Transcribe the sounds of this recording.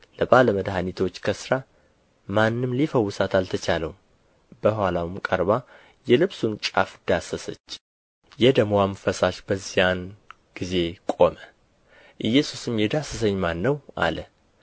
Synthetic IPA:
ləbaləməd̪ɦanit̪ʰo̞t͡ʃːkʰəsɨɾa | manːɨmlifəwːʊsat̪alt̪ʰət͡ʃaləwum | bəhwalawɨmkʼəɾba | jɛlɨβsunt͡ʃʼa̰fd̪̥asəsə̰t͡ʃː | jɛd̪əmwamɨfəsaʃb̥əzːijan | ɡ̥ize̞kʼo̞mə | ʔɨjːɛsusɨmjɛd̪asəs̬əɲːmanːəwʔa̰lə

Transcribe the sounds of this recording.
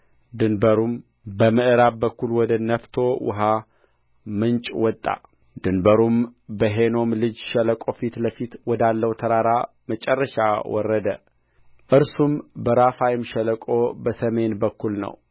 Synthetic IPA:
d̪ɨnbəɾum | bəmɨʔɨɾabbəkːulwɔd̪ənəft̪ʰo̞wʊ̰ɦa | mɨnt͡ʃʼwɔt̪ʼːa̰ | d̪ɨnbəɾumbəɦeno̞mlɨd͡ʒʃɛləkʼo̞fit̪ləfit̪wɔd̪alːəwt̪ʰəɾaɾa | mət͡ʃʼɛrːəʃawɔ̰rːəd̪ə | ʔɨɾsumbəɾafajɪmʃələkʼo̞bəsəme̞nbəkːulnə̰w

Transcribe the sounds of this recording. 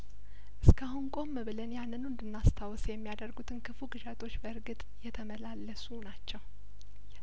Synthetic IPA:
ʔɨskʰahunkʼo̞mːɨβɨlənjanːɨnwɨnd̪ɨnːast̪ʰawsjɛmːijad̪ərɡut̪ʰɨnkʰɨfuɡɨʃat̪ʰʼo̞t͡ʃːbəɨɾɡɨt̪ʼjɛt̪ʰəməlalːəsunat͡ʃːɛw

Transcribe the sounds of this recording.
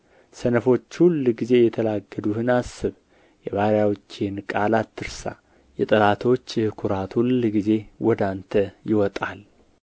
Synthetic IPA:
sənəfo̞t͡ʃːhulːɡize̞jɛt̪ʰəlaɡːəd̪uhɨnasɨβ | jɛβaɾjawt͡ʃːenkʼalat̪ʰːɨɾsa̰ | jɛt̪ʼɨlat̪ʰo̞t͡ʃːjhɨkʰuɾat̪hulɡize̞wɔd̪ant̪ʰəjɪwɔt̪ʼal

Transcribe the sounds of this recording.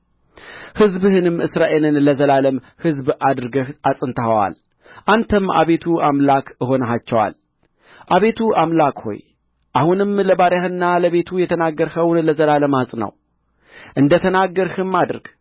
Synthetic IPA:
hɨzbhɨnɨmʔɨsɾaʔe̞lɨnləzəlaləm | hɨzbʔad̪ɾɨɡəhʔasʼɨnt̪ʰəhəwa̰l | ʔant̪ʰəmːa̰βe̞t̪ʰuamlakəɦo̞nəɦat͡ʃːɛwa̰l | ʔaβe̞t̪ʰuamlakho̞̰j | ʔahunɨmləbaɾjahɨnːaləβe̞t̪ʰujɛt̪ʰənaɡːəɾhəwnləzəlaləmasʼnə̰w | ʔɨnd̪ət̪ʰənaɡːəɾhɨmːad̪ɾɡ̥

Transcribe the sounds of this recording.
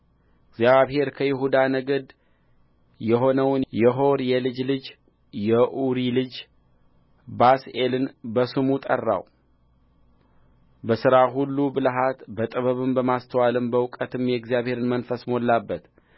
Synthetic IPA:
ɨɡzjaβhe̞ɾkʰəjɪɦud̪anəɡəd̪ | jɛɦo̞nəwnjɛɦo̞ɾjɛlɨd͡ʒlɨd͡ʒ | jɛʔuɾilɨd͡ʒ | base̞lɨnbəsɨmut̪ʼə̰rːa̰w | bəsɨɾaɦulːubɨlɦat̪bət̪ʼəβəβɨmbəmast̪ʰəwalɨmbəwkʼət̪ʰɨmjɛɡzijaβhe̞ɾɨnmənfəsmolːabːət̪

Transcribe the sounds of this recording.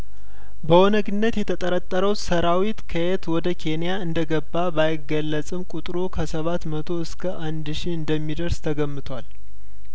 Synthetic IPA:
bəwɔnəɡɨnːət̪jɛt̪ʰət̪ʼəɾət̪ʼːəɾəwsəɾawit̪kʰəet̪wɔd̪əkʰe̞nijaɨnd̪əɡəbːabajɪɡːəlːət͡sʼɨmkʼut̪ʼɾukʰəsəβat̪mət̪ʰo̞ɨskʰəʔand̪ʃiɨnd̪əmːid̪əɾst̪ʰəɡəmːɨt̪ʰwal

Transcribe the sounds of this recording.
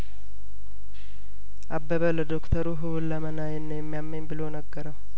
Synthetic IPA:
ʔabːəβələd̪okt̪ʰəɾuɦɨwulːəmənajɛnːəjɛmːijamːenbɨlonəɡːəɾəw

